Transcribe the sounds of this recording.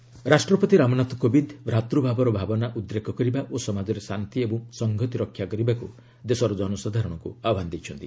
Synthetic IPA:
ɾasʈɾɔpɔt̪iɾamɔnat̪ɔkobid̪bɾat̪ɾubʱabɔɾɔbʱabɔnaʔud̪ɾekʰɔkɔɾibaʔosɔmad͡ʒɔɾesant̪iebɔ̃ŋsɔŋɡʱɔt̪iɾɔkʰːjakɔɾibaku | d̪esɔɾɔd͡ʒɔnɔsad̪ʱaɾɔɽ̃ɔkṵabʱand̪ejt͡ʃʰɔnt̪i

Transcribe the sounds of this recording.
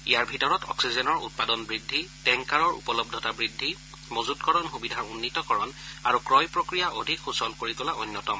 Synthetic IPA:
ijaɹbʱitɔɹɔtɔ̰ksizɛnɔɹṵt̚padɔnbɹidʱːitɛŋkaɹɔɹṵpɔlɔb̚dʱɔtabɹidʱːi | mozudkɔɹɔnxubidʱaɹunːitɔkɔɹɔnaɹukɹɔjpɹokɹijaʔodʱikxusɔlkoɹitʊlaɔnːjɔtɔm

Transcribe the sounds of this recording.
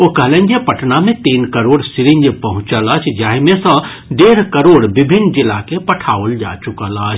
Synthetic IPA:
okəɦlɛnd͡ʒepəʈnamet̪inkəɾoɽsiɾind͡ʒpəɦũt͡ʃələt͡ʃʰd͡ʒaɦimesə̃ | ɖeɾkəɾoɽbibʱinːd͡ʒilakepəʈʰaold͡ʒa̰t͡ʃukələt͡ʃʰ

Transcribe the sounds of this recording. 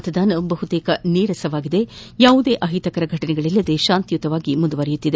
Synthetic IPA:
t̪ɐd̪aːnɐbɐɦut̪eːkɐniːɾɐsɐʋaːɡid̪e̞jaːʋud̪e̞ːʔɐɦit̪ɐkɐɾɐɡʱɐʈɐnɛɡɐɭɛlːɐd̪e̞ʃaːnt̪jut̪ɐʋaːɡimund̪uʋɐɾɐjut̪ːid̪e

